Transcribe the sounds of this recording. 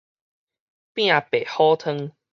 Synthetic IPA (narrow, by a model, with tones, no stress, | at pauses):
pj̃ã˨pe˨˩hɔ˦t̪ʰə˦ŋ